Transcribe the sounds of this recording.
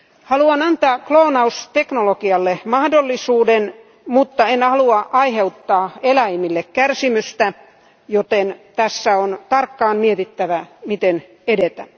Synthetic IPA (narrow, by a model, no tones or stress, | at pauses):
hɑluɑnɑnt̪ɑːkloːnɑust̪eknolokiɑlːemɑhdolːisuːden | mut̪ːɑenhɑluɑʔɑiheut̪ːɑːelæimilːekkærsimyst̪æ | jot̪ent̪æsːæont̪ɑrkːɑːnmiet̪it̪ːæʋæmit̪en | edet̪æ